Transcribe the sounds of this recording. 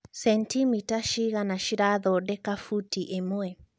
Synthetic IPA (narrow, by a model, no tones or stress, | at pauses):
sɛntimitaʃiɣanaʃiɾaðɔdɛkafutiʔemoɛ